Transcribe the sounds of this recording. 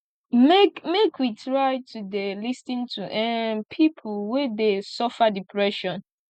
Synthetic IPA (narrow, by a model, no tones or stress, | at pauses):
mekmekʰwitɹaɪtʰudelistĩntʰuʔɛ̃npʰipʰulwedesɔfadipʰɹɛʃɔ̃n